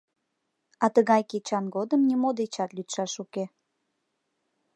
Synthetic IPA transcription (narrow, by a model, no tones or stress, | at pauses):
ɑt̪əɣɑjket͡ɕɑnɡod̪əmnʲimod̪et͡ɕɑt̪lyt̪ʃɑʃuke